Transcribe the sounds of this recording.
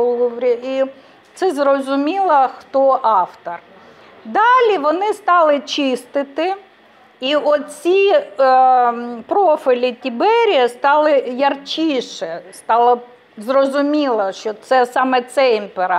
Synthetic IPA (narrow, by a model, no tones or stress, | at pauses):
lˠuʋɾʲii | t̪sɛzrɔzʊmʲilˠɐxt̪ɔʔɑft̪ɔr | d̪ɑlʲiʋɔnɪst̪ɑlˠɪt͡ʃɪst̪ɪt̪ɪ | iɔt͡sʲi | pɾɔfɪlʲitʲibɛɾʲijɐst̪ɑlˠɪjɐrt͡ʃʲiʃɛst̪ɑlˠɐ | zrɔzʊmʲilˠɐʃt͡ʃɔt̪sɛsɑmɛt̪sɛimpeɾɑ